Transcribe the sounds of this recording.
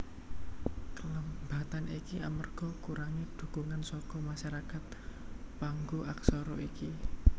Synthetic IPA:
kələmbat̪anikiʔamərɡ̥ɔ̤kuɾaŋid̪̥ṳkuŋansɔkɔmaʃaɾakat̪̚paŋɡuʔaksɔɾɔiki

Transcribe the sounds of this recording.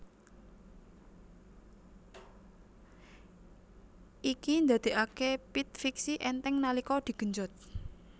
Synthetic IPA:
ʔikind̪a̤d̪̥e̤ʔakepit̪̚fiksiʔɛnt̪ɛŋnalikɔd̪̥i̤ɡ̥ə̤ɲd͡ʒɔt̪̚

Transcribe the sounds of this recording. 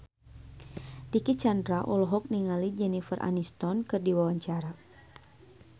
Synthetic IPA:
dikit͡ʃandɾaʔɔlɔɦɔk̚niŋalid͡ʒɛnifərʔa̰nist̪ɔnkɨrdiwawaɲt͡ʃaɾa

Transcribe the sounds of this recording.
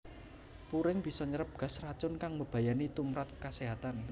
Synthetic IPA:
puɾɪŋb̥i̤sɔɲəɾəp̚ɡ̥a̤srat͡ʃʊnkaŋməb̥a̤janit̪umɾat̪̚kaseɦat̪an

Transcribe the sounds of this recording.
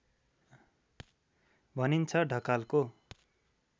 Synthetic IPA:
bʱʌnint͡sʰʌɖʱʌkalko

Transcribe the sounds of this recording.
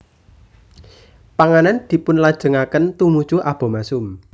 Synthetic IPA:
paŋanand̪̥i̤pʊnlad̥ʒ̥ə̤ŋakənt̪umud̥ʒ̥uʔab̥ɔ̤masʊm

